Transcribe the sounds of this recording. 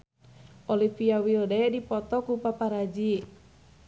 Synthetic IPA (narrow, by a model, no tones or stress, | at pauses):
ʔolifiawiɔdaɛdipɔt̪ɔkupapaɾad͡ʒi